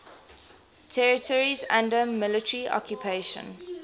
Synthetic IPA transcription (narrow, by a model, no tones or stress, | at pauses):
tʰɛɹɪtʰɔɹizæ̃ndəmːɪlɪtəɹiʔɔ̰kʰjupʰeɪʃə̰̃n